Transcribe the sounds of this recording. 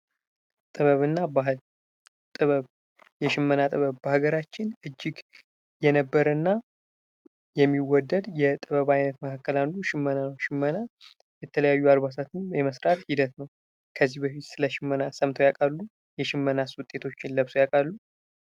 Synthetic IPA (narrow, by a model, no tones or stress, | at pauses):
t̪ʼɨβəβɨnːabaɦɨl | t̪ʼɨβəβ | jɛʃɪmːənat̪ʼɨβəβbəhaɡəɾat͡ʃːɪnʔɨd͡ʒːɪɡ | jɛnəbːəɾənːa | jɛmːiwɔd̪ːəd̪jɛt̪ʼɨβəβajnət̪məkʰakːəlanːuʃɪmːənanəwʃɪmːəna | jɛt̪ʰələjajːualβasat̪ʰɨnjɛməsɾat̪hid̪ət̪nəw | kʰəzːihbəfit̪sɨləʃɪmːənasəmt̪ʰojakʼalːu | jɛʃɪmːənaswʊt̪ʼe̞t̪ʰo̞t͡ʃːɪnləβsojakʼalːu